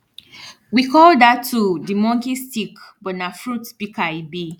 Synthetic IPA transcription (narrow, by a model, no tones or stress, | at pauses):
wikɔldatʰːudimɔ̃ŋkistikbɔnafɹutb̥ikaibi